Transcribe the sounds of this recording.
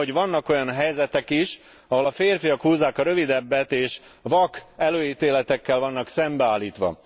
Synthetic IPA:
oɟvɒnːɒko̞jɒnɦɛjzɛt̪ɛkiʃ | ɒɦo̞lɒfeːrfijɒkhuːzːaːkɒɾø̞vid̪ɛbːɛt̪eːʃvɒkɛløːjiːt̪eːlɛt̪ɛkːɛlvɒnːɒksɛmbɛaːlːiːt̪ʋɒ̰

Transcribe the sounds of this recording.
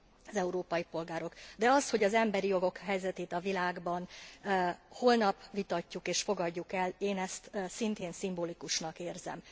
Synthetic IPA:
zɛuɾoːpɒjipo̞lɡaːɾo̞ɡd̪ɛɒsho̞ɟɒzɛmbɛɾijo̞ɡo̞kɦɛjzɛt̪eːt̪ɒvilaːɡbɒn | ho̞lnɒpʋit̪ɒcːukeːʃfo̞ɡɒɟːukɛleːnɛst̪sint̪eːnsimboːlikuʃnɒkeːrzɛ̰m

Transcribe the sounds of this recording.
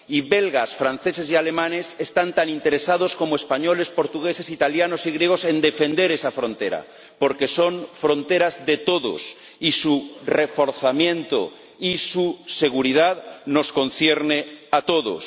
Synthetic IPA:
iβelɣasfɾan̟θe̞se̞s̬ialemãnesest̪ant̪anint̪e̞ɾesað̞osko̞moespaɲole̞spo̞ɾt̪uɣese̞sit̪aljanosiɣɾjeɣ̞ose̞nd̪e̞fe̞nd̪e̞ɾesafɾõ̞nt̪eɾa̰ | po̞ɾke̞so̞ɱfɾõ̞nt̪e̞ɾazðet̪oðo̰s | isurefo̞ɾθamjẽ̞nt̪o̰ | isuse̞ɣ̞uɾið̞aðno̞sko̞nθjeɾneat̪oðo̰s

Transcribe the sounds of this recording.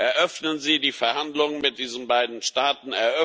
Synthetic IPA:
ʔɛɐʔœfnənziːdiːfɛɐhandlʊŋənmɪt̚d̥iːzən̩baɪdn̩ʃtaːtn̩ɛɐʔœ

